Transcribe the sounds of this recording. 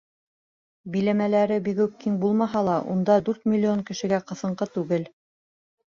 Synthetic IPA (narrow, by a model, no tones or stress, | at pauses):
bilæmælæɾɘbiɡɵkːiŋbulˠmɑɦɑlˠɑʔṵnd̪ɑd̪ʉɾt̪mʲilʲːioŋkɘ̆ʃɘ̆ɡæqɤ̆θɤ̆ɴqɤt̪ʉɡɘl